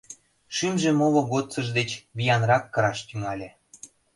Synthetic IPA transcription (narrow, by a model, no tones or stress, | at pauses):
ʃymʒĕmoloɣot͡səʒd̪et͡ɕβijɑnrɑkːɤ̆ɾɑʃt̪yŋɑlʲĕ